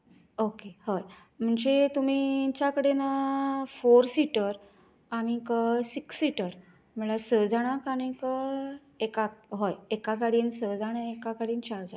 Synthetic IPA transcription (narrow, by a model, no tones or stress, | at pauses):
okehoj | m̤əɳd͡ʑet̪um̤it͡ɕjakəɽenəfoɾsiʈəɾ | aɽ̃ikəsiksːiʈəɾ | m̤əɭasəd͡zaɽ̃akaɽ̃ikə | ekakɦojekakaɽiːnsəd͡zaɽ̃aekakaɽiːnt͡ɕaɾd͡za